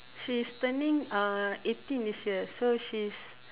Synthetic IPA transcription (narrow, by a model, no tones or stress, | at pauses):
ʃistənĩŋaetĩndisəsoʃis